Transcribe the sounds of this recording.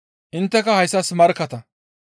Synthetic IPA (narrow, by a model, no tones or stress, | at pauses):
ʔɪnt̪ːɛkɐhɐjsːɐsmɐɾkːɐt̪ɐ